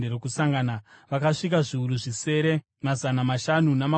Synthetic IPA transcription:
erokusaŋɡanaʋakaʂik̬aʐiuɾuʐise̞ɾe̞ | mazanamaʃanunama

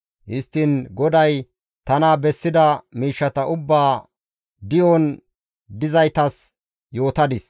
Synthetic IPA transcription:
hɪst̪ːɪnɡɔd̪ɐj | t̪ɐnabɛsːɪd̪ɐmiːʃːɐt̪ɐʔʊbːaː | d̪ɪjɔn | d̪ɪzɐjt̪ɐs | jo̞ːt̪ɐd̪ɪs

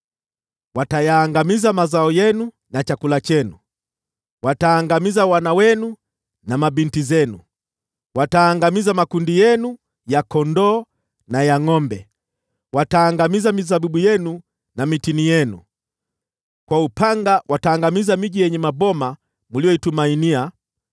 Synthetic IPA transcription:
watajaːŋɡamizamazaɔjɛnu | nat͡ʃakulat͡ʃɛnu | wataːŋɡamizawanawɛnu | namabintizɛnu | wataːŋɡamizamakundijɛnu | jakɔndɔː | najaŋɔmbɛ | wataːŋɡamizamizabiɓujɛnu | namitinijɛnu | kwaupaŋɡawʔataːŋɡamizamiʄijɛɲɛmabɔma | mulijɔitumainia

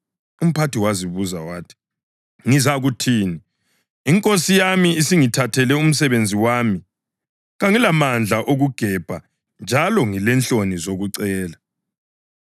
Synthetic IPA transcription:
um̩pʰatiwaziβuzawaːtʰi̥ | ŋizaɣutʰiːniː | ŋkʼosijamiisiŋitʰatʰɛlɛum̩sɛβend͡zʱiwaːmi | ɣaŋilamand͡ɮʱaʔoɣuɡ̥ʱɛb̥ʱa | nd͡ʒʱalɔŋilɛnɬonizoɣuǀɛːla

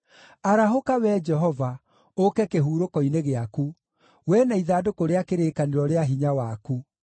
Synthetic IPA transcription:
aɾaɦokawɛd͡ʒɛɦɔva | okɛkeɦuːɾokɔineɣeaku | wɛnaiðaːdokoɾeakeɾeːkaneɾɔɾeaɦiɲawaku

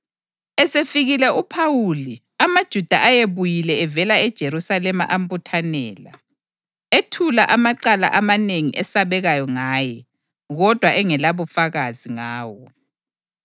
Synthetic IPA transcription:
ɛsefiɣilɛʔupʰawuli | amad̥ʒ̥ʱud̥ʱaʔajeβujilɛɛvɛlaɛd̥ʒ̥ʱeɾusalɛma̰ʔam̩butʰanɛːla̰ | etʰulaʔamaǃala̰ʔamaneŋiʔɛsaβɛɣajɔŋaːjɛ | ɣɔd̥ʱwaʔɛŋɛlaβufaɣaziŋaːwɔ

